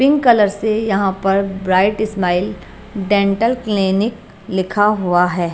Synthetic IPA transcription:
pɪ̃ŋɡkɐləɾsejɐɦãpɐɾbɾaːɪʈɪsmaːɪl | ɖẽːɳʈəlklɪnɪk | lɪkʰaɦʊaɦɛː

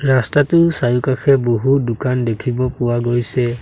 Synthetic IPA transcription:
ɹastatʊsajukakʰɛboɦudʊkandekʰibɔpʊwaɡojsɛ

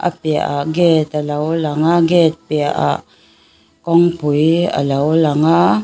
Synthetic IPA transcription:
ʔa̰pia̰ʔaɡɛt̪alawlaŋaɡɛt̪̚piaʔa̰ | kɔŋpuja̰lawlaŋa

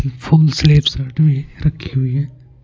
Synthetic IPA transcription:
fʰoːnsleːpsaːʈbʱiɾɐkʰːi̥ɦuiɦɛ̃ː

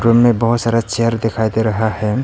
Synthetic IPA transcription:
ɾumːẽbɐɦʊt̪saːɾat͡ʃeɦəɾd̪ekʰaːjd̪eɾɐɦahɛ

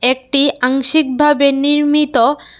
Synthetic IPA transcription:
ek̚ʈiaŋʃik̚bʱabeniɾmit̪o

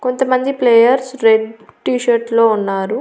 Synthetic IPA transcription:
ko̞nt̪ɐmɐnd̪ipleːjɐɾsɾeɖʈiːʃɐɾslo̞ːunːaːɾu

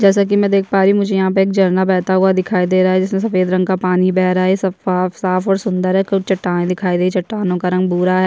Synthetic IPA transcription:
d͡ʒɛːs̬ak̬imɛ̃ːd̪eːk̚ʰpaːɾimʊd͡ʒʱejɐɦãp̬əɾeːk̚d͡ʒɐɾnabɛːt̪aɦuad̪ɪkʰaːid̪eːɾaːɦɛd͡ʒɪsmẽs̬ɐfeːd̪ɾɐ̃ŋɡkapaːnibɛːɦɾaɦɛsɐaːfsaːfɔːɾsʊ̃nd̪əɾɦɛkt͡ʃɐʈːaːẽd̪ɪkʰaːid̪eːit͡ʃɐʈːaːnõkaɾɐ̃ŋɡ̚buːɾaɦɛ

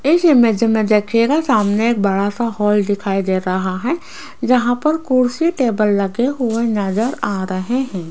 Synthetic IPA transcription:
ɪsmed͡ʒəmẽd̪ɐkʰeɡasaːmneeːk̚bɐɽasahɔːld̪ɪkʰaːid̪eːɾɐɦaɦɛ | d͡ʒɐɦãpɐɾkʊɾsiʈeːbəlːɐɡeɦʊenɐd͡ʒəɾaːɾɐɦeɦɛ̃ː

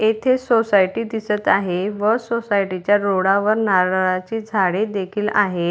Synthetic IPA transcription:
et̪ʰesosajʈiːd̪isət̪aɦeʋəsosajʈit͡ɕjaɾoɽaʋəɾnaɾat͡ɕiːd͡zʱaɽed̪ekʰiːla̰ɦe

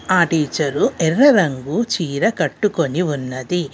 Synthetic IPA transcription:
aːʈiːt͡ʃɐɾuʔɛrːɐɾɐŋɡut͡ʃiːɾɐkɐʈːuko̞niunːɐd̪i

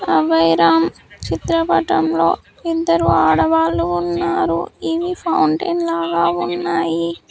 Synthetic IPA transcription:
ɐʋɐjɾaːm | t͡ʃit̪ɾɐpɐʈɐmlo̞̰ː | id̪ːɐɾuaːɽɐʋaːlːuːnːaːɾṵiʋipʰɐwɳʈɐjnlaːɡaːunːaːji

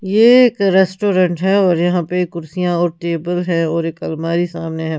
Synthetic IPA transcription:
jeːkɾɛːsʈoːɾə̃ɳʈɦɛɔːɾjɐɦãpekːʊɾsijãɔːɾʈeːbəlɦɛ̃ɔːɾeːkɐlmaːɾisaːmneɦɛ̃ː

